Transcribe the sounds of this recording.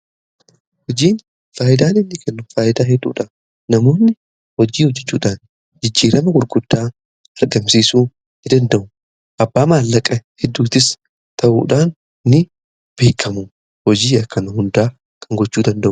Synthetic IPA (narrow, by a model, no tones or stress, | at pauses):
hɔd͡ʒiːn | faːʔɪd̪aːnɪnːɪkʰɛnːʊfaːʔɪd̪aːhɛd̪ːṵːᶑɐ | nɐmo̞ːnːɪ | hɔd͡ʒiːhɔd͡ʒːɛt͡ʃːuːᶑaːn | d͡ʒɪd͡ʒːiːɾɐmɐɡʊɾɡʊd̪̥ːaː | ɐɾɡɐmsiːsuːnː | ɪd̪ɐnd̪ɐʔʊ | ʔɐbːaːmaːlːɐkʼɐhɛd̪ːuːt̪ɪs | t̪ʰɐʔṵːᶑaːnː | ɪ | b̥e̞ːkʰːɐmʊ | hɔd͡ʒiːɐkːɐnɐhʊnd̪aː | kʰɐŋɡɔt͡ʃːuːd̪ɐnd̪ɐʔʊ